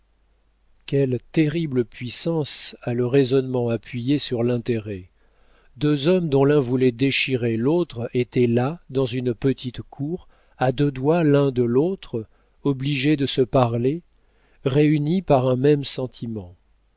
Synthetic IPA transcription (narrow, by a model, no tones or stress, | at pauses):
kʲɛlt̪eʁibləpɥisɑ̃saləʁezɔnmɑ̃apɥijesyʁlɛ̃t̪eʁɛ | d̪øzɔmd̪ɔ̃lɛ̃vulɛd̪eʃiʁelot̪χet̪ɛlad̪ɑ̃zynpət̪ʰit̪kʰuʁ | ad̪ød̪walɛ̃d̪əlot̪χ | ɔbliʒed̪əsəpaʁle | ʁeynipaʁɛ̃mɛmsɑ̃t̪ʰimɑ̃